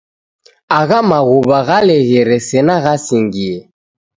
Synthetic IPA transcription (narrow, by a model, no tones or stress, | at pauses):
aɣamaɣuβaɣalɛɣɛɾɛsɛnaɣasiŋɡiɛ